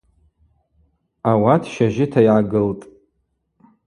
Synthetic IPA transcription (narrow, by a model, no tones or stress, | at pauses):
awatʰʃaʒɪtʰajʕaɡɨltʼ